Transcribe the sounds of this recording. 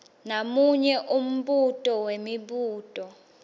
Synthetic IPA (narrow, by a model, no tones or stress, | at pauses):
namuɲɛʔum̩ɓutʼɔwemiɓuːtʼɔ